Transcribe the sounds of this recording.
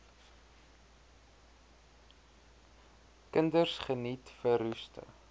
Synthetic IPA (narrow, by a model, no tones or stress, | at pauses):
kəndərsχənitfəɾʉstə̰